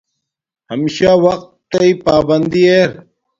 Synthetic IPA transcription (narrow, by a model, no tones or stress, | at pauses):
hɐmiɕaːwɐqt̪ːɐipaːbɐnd̪ieɾ